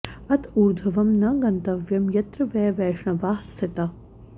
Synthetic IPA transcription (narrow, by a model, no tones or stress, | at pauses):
ɐt̪ʰuːɾd̪ʱɐʋɐmnɐɡɐnt̪ɐʋjɐmjɐt̪ɾɨʋɛːʋɛːʂɳɐʋaːɦsɪt̪ɐ